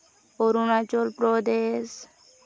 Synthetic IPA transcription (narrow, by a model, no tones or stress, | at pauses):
poɾunat͡ʃolpɾod̪es